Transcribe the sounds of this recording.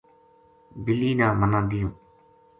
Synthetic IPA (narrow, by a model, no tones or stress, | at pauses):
bɪliːnãːmənãːd̪ɪjõː